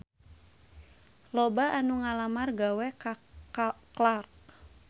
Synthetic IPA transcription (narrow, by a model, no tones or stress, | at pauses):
lɔbaʔanuŋalamarɡawɛka | klark